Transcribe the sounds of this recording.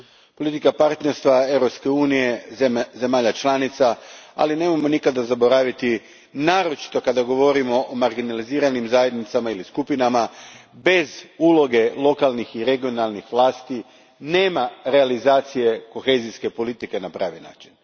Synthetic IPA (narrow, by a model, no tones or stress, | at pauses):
po̞lit̪ikapaɾt̪ne̞ɾst̪ʋae̞wɾo̞pske̞uːnije̞ze̞maːʎat͡ʃlˠaːnit̪saa̰line̞ːmamo̞nikad̪azabo̞ɾaːʋit̪i | naːɾo̞t͡ʃi̥t̪o̞kad̪aɡo̞ʋo̞ɾimo̞ʔomaɾɡinaliziːɾanimzaːje̞d̪nit̪samailiskupinamabe̞zulo̞ɡe̞lˠo̞kalˠnixiɾe̞ɡio̞nalˠnixʋlˠaːst̪i | ne̞ːmaɾe̞alizaːt̪sije̞ko̞xe̞ziske̞po̞lit̪ike̞napɾa̰ːʋina̰ːt͡ʃin